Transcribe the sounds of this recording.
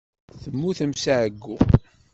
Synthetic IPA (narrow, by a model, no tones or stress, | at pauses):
θəmːuθəmsaʕəɡːu